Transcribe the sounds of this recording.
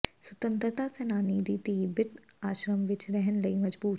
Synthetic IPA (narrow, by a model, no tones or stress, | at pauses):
swɐt̪ə̃nt̪ɾət̪asɛnaːnid̪it̪ibɪʈ̪ | aːʃɾəmʋɪt͡ʃɾɛɦənlɐimɐd͡ʒbuː